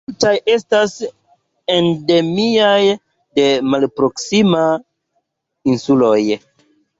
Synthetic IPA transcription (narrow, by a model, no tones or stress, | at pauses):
multaje̞stas | e̞nde̞miaj | de̞malpɾo̞ksima | insulo̞j